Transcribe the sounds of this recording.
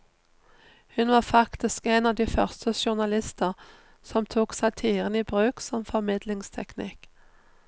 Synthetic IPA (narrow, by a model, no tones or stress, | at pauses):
hʉnʋɑːfɑkt̪ɪskenɑːʋd̪iːfœʁst̪əʃʊʁnɑlɪst̪əʁ | sɔmt̪ʰuːksɑɪt̪ʰiːʁəniːbʁʉːksɔmfɔʁmɪd̪lɪŋst̪ʰɛknɪk